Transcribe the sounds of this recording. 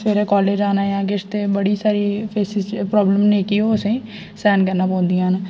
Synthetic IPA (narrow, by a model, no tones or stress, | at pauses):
eːɾeːkɔːleːd͡ʒaːnaːjãːkɪʃt̪eːbəɽiːsaːɾiːpʰeːsɪzpɾɔːbləmneːkioːsẽː | sɛːnkəɾnaːpɔ̃ːnd̪iːãːn